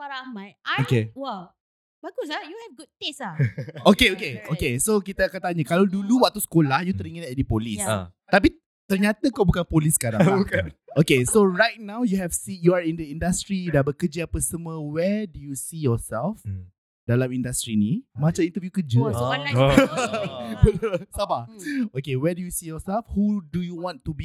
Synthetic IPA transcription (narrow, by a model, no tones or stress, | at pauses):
faɾamajaokewɛ | baɡusajuhɛvɡud̚t̪esaʔokeokeokesokit̪əakant̪aɲəkalawduluwak̚t̪usə̥kolahjut̪əɾiŋə̃nadipolist̪ap̬i | t̪ərɲat̪əkabukanpolisːə̥kaɾa̰ŋkaʔokesoɹajt̚nãwjuɦɛfsijuaɹindəĩndast̪ɾidabəkəd͡ʒəapəsəmuə̃wɛdujusijɔsɛlf | dalamindast̪ɾinimãt͡ʃaʔint̪əvjukəd͡ʒə | bətʊlsabaokewɛdujusijɔsɛlfhudujuwɔ̃nt̪ubi